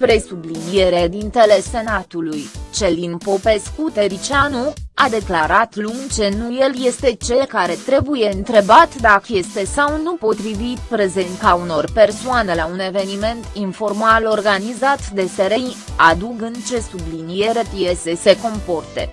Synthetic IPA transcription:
pɾe̞sublinije̞ɾed̪int̪ele̞se̞nat̪ulujt͡ʃe̞linpo̞pe̞skut̪e̞ɾit͡ʃanuad̪e̞klaɾat̪luŋt͡ʃe̞nuje̞lje̞st̪e̞t͡ʃe̞lkaɾe̞t̪ɾe̞buje̞ɨnt̪ɾe̞bat̪d̪akəje̞st̪e̞sawnupo̞t̪ɾivit̪pɾe̞ze̞nt̪auno̞rpe̞rsoane̞laune̞ve̞nime̞nt̪info̞rmalo̞rɡanizat̪d̪e̞seɾenad̪uɡɨnt͡ʃe̞sublinije̞ɾe̞pije̞se̞se̞ko̞mpo̞rt̪e̞̰

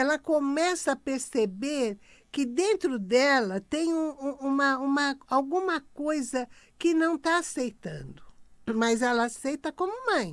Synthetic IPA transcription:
ɛlɐkõmɛsɐapeɾsebeɾ | kɪd̪ẽnt̪ɾʊd̪ɛlɐt̪ẽj̃ũũũmɐũmɐawɡũmɐkojzɐkɪnɐ̃w̃t̪aasejt̪ɐ̰̃nd̪ʊmɐzɛlɐasejt̪ɐkõmʊmɐ̃j̃

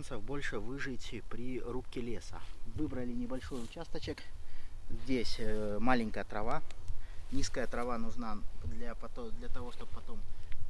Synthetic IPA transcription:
nsəvbo̞lʲʂɨvɨʐɨtʲpɾʲɪrup̚kʲɪlʲesə̰vɨbɾəlʲɪnʲɪbɐlʲʂo̞jʊt͡ɕast̪ət͡ɕɪk | zʲdʲesʲmalʲɪŋʲkəjət̪ɾɐva | nʲiskəjət̪ɾɐvanʊʐnad̪lʲapɐt̪od̪lʲɐt̪ɐvo̞ʂt̪o̞p̚pːɐt̪o̞m

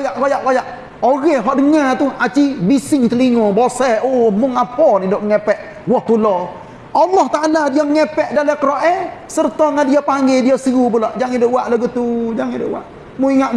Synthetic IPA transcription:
jaʔkojaʔkojaʔ | oɡɛɦɔʔdəŋat̪ʊhat͡ʃibisɪŋt̪əliŋɔbosɛomʊŋapɔnidɔʔŋɛpɛʔ | wɔht̪ulɔ | ʔɑlːɔht̪aʔaladiaŋɛpɛʔdalɛkəɾɔʔɛsərt̪ɔŋandiapaŋɡediasiɡubulaʔd͡ʒaŋidəʔwaʔlaɡət̪ud͡ʒaŋidə̰ʔwa̰ʔ | muiŋaʔ

